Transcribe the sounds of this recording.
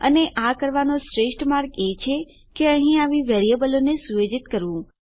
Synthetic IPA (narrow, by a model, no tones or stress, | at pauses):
ə̰neʔakəɾʋanõsɾeʂʈmaɾket͡ʃʰe | keəɦĩaʋiʋeɾijəbəlonesujed͡ʒit̪kəɾʋũ